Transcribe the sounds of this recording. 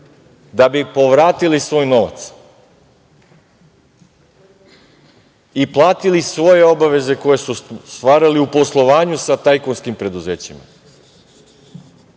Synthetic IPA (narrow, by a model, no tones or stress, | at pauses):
d̪abipo̞ʋɾaːt̪ilisʋo̞ːjno̞ʋa̰t̪s | iplˠaːt̪ilisʋo̞je̞o̞baʋe̞ze̞ko̞je̞sust̪ʋaːɾaliupo̞slˠo̞ʋaːɲusat̪ajkonskimpɾe̞d̪uze̞ːt͡ɕima̰